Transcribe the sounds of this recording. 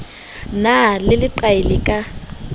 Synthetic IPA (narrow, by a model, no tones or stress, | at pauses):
nalɪlɪǃaɪlɪkʼa